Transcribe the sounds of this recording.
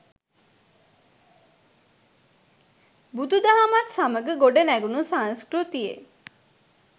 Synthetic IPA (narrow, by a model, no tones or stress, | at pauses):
bud̪ud̪aɦamat̪saməɡəɡoɖənæɡunusañskɾut̪ijḛ